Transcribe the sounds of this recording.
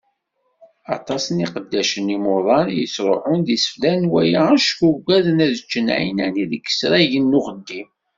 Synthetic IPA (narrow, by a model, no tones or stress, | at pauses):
ɑ̰t̪ˤɑsəniqəd̪ːæʃənimoðˤɑnjəsɾˤoħʊnðisə̥flænwæjaʃkuɡʷæðənæðət͡ʃːənʕinæniðəkːə̥sɾæʝənːʊʁəd̪ːim